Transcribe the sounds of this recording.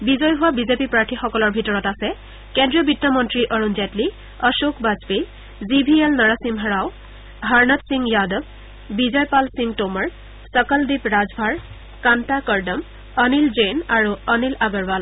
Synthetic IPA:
bizɔjɦʊwabizepipɹaɹtʰixɔkɔlɔɹbʱitɔɹɔtasɛ | kɛndɹiɔbitːɔmɔntɹiʔɔɹunzatli | ɔʃokʰbazpe | zibʱielnaɹasimɦaɹaw | ɦaɹnatsiŋjadɔb | bizɔjpalsiŋtomaɹ | sɔkɔldipɹazbʱaɹ | kantakɔɹdɔm | ɔnilzenaɹuɔnilaɡɔɹbal

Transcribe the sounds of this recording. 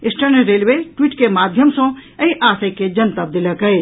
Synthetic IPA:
ɪsʈɐɾneɾeːlʋeʈwiːʈkemaːd̪ʱjəmsõɐĩʔaːsɐked͡ʒɐnt̪ɐb̚d̪ɪlɐkɦɐe

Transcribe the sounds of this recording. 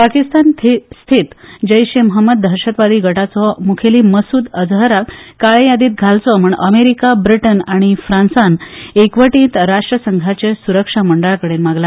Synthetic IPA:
pakist̪ant̪ʰist̪ʰit̪d͡ʑəjɕemɦəmːəd̪̚d̪ʱəɾɕət̪ʋad̪iːɡʱəʈat͡sɔmukʰeliːməsuːd̪əd͡zɦəɾakaɭejad̪iːt̪̚ɡʱalt͡sɔm̤əɳəmeɾikabɾiʈənaɽ̃ifɾãnsanekʋəʈĩːnt̪ɾaʂʈɾəsəŋɡʱat͡ɕesuɾəkʂaməɳɖəɭakəɽenmaɡla

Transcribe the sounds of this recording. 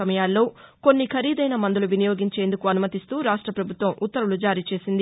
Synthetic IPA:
ɐmɐjaːlːo̞ːko̞nːikʰɐɾiːd̪ɐjnɐmɐnd̪uluʋinɐjo̞ːɡiɲt͡ʃe̞ːnd̪ukuɐnumɐt̪ist̪uːɾaːʂʈɾɐpɾɐbʱut̪ʋɐmʔut̪ːɐɾulud͡ʒaːɾiːt͡ʃe̞ːsind̪i

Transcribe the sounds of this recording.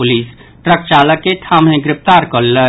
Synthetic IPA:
ʊliːs | ʈɾək̚t͡ʃaːləkːeʈʰaːmɦẽɡɾɪp̚t̪aːɾkɔːlːə

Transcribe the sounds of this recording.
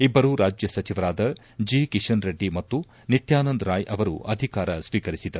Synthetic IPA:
ibːɐɾuɾaːd͡ʒjɐsɐt͡ʃiʋɐɾaːd̪ɐ | d͡ʒiːkiʂɐnɾeɖːimɐt̪ːu | nit̪jaːnɐnd̪ɾaːjʔɐʋɐɾṵʔɐd̪ʱikaːɾɐsʋiːkɐɾisid̪ɐɾu

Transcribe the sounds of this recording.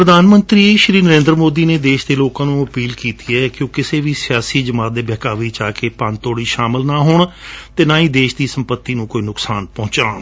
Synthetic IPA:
pɾəd̪aːnmənt̪ɾiːeʃɾiːnəɾẽːnd̪ɾmoːd̪iːneːd̪eːʃd̪eːloːkãːnũːəpiːlkiːt̪iːɛːkjõːkɪseːʋiːsɪjaːsiːd͡ʒəmaːt̪̚d̪eːbɛːkaːʋiːt͡ʃaːkeːpant̪oːɽiːʃaːmɪlnaːɦoːɳt̪eːnãːĩːd̪eːʃd̪iːsəmpət̪ːiːnũːkoːiːnʊksaːnpɔ̃ːt͡ʃãː

